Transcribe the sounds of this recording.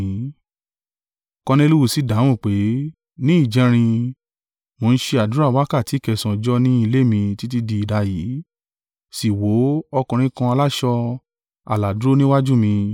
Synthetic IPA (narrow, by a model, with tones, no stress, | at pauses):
ĩ˨˦ | kɔ̃˧nĩ˧lu˦wu˦˨si˨˦da˨˦w̃ũ˦˨k͡pe˨˦ | nĩ˦i˦˨d͡ʒɛ˨˧ɾ̃ĩ˧ | mo˨˧n̩˦ʃe˧a˨du˨˦ɾa˦˨wa˨˦ka˦˨ti˨˦˨kɛ˧˨sã˨d͡ʒɔ˦nĩ˦i˧le˦˨mĩ˧ti˦t̬i˦di˧i˨da˧jiː˨˦ | si˨wo˨˦ɔ˧kɔ̃˨˧ɾ̃ĩ˧kã˧a˧la˦ʃɔ˧ | a̰˨la˨du˨˦ɾo˦nĩ˦wa˦d͡ʒu˦mĩ˧